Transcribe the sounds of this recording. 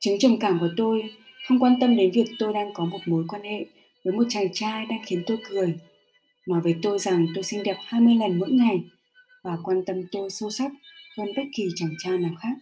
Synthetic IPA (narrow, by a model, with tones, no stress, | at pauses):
t͡ɕɨ˨˦ŋt͡ɕə˨˧˩ŋ͡mkaː˧˩mkɔ˨˩t̪o˧j | xə˧wŋ͡mkwaː˧nt̪ə˧mɗe˨˦nvi˨˩ək̚t̪o˧jɗaː˧ŋkɔ˨˦mo˨˩t̚mo˨˦jkwaː˧nhḛ˧˨ʔ | vəː˨˦jmo˨˩t̚t͡ɕa˨˩ŋt͡ɕaː˧ɗaː˧ŋxi˨˦ənt̪o˧jkɨ˨˩əj | maː˨˩vəː˨˦jt̪o˧jza˨˩ŋt̪o˧jsi˧ŋɗɛ˨˩p̚haː˧jmɨ˧əjŋə˨˩nmo̰˧˥jŋa˨˩j | vaː˨˩kwaː˧nt̪ə˧mt̪o˧jso˧sa˦˥t̚həː˧nɓə˦˥t̚ki˨˩t͡ɕa˨˩ŋt͡ɕaː˧naː˨˩wxaː˦˥k̚